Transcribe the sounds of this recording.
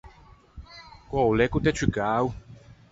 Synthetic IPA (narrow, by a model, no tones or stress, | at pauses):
kʷɔlɛkut̪ɛt͡ʃʰikaːw